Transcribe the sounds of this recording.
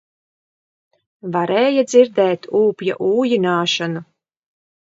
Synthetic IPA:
vaɾɛːjad̪ziɾd̪ɛːt̪uːpja̰ʔuːjinaːʃanu

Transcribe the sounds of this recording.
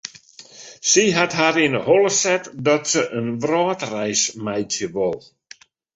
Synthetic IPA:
siɦatɦaɾɪnəhɔlˠəsɛtdɔtsəʔənʋrɔːtrɛjsmajtjəʋɔlˠ

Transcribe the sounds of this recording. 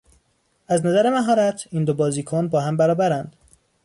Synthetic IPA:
æznæzæɾemæɦɒːɾæt̪ʰiːnd̪obɒːziːkʰonbɒːɦæmbæɾɒːbæɾænd̪̥

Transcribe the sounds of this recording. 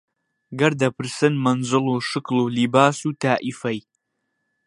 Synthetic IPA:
ɡɐɾd̪ɐpʰɨɾsɨnmɐnzɨlˠuːʃɨklulibaːsut̪ʰaːʔifɐj

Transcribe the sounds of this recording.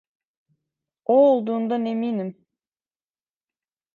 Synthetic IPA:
olˠd̪uːnd̪ɑneminɪm

